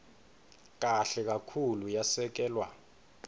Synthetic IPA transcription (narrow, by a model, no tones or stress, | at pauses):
k̬ʼaɬɛk̬akʰulujasɛk̬ɛːlwa̰